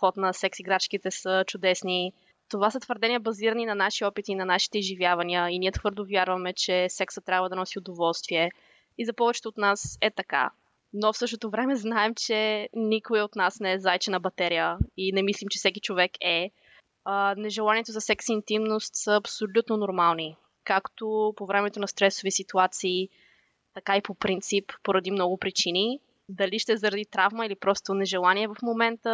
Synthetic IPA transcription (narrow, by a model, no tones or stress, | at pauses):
xɔt̪nɐsɛksiɡɾat͡ʃkit̪ɛsət͡ʃʊd̪ɛsni | t̪ovasɐt̪vəɾd̪ɛniəbɐziɾəninɐnaʃiɔpit̪inɐnaʃi̥t̪ɛizʒivʲjavɐniəiniət̪xvɤɾd̪ovjaɾvɐmɛt͡ʃɛsɛksət̪ːɾʲabvəd̪ɐnɔsiod̪ovɔlˠst̪viɛ | izɐpɔvɛt͡ʃɛ̥t̪oːt̪nasɛt̪ɐka̰ | nofsɤʃt̪ot̪ovɾɛmɛznaɛmt͡ʃɛnikoiot̪nasnɛɛzajt͡ʃɛnɐbɐt̪ɛɾijəinɛmislimt͡ʃɛfsɛkit͡ʃovɛkʰɛ | nɛʒɛlˠaniɛt̪ozɐsɛksint̪imnost̪səːpsolʲut̪nonoɾmalˠni | kakt̪opovɾɛmɛt̪onɐst̪ɾɛsovisit̪uat̪siː | t̪ɐkaipopɾint̪sipːoɾɐd̪imnɔɡʊpɾit͡ʃini | d̪ɐliʃt̪ɛzɐɾɐd̪it̪ɾavməilipɾɔst̪onɛʒɛlˠaniɛvɐfmomɛnt̪ə